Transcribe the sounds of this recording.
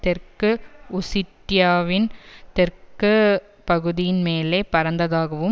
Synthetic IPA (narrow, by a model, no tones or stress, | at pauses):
t̪ɛrkɯʊsɪʈːjaːʋɪnt̪ɛrkɯ | pɐɣɯðɪjɪnmeːleːpɐɾɐnd̪ɐðaːɣɐʋɯm